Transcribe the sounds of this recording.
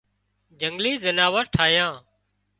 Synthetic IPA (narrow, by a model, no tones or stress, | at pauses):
d͡ʒəŋɡliːzənaːʋəɾʈʰaːjãː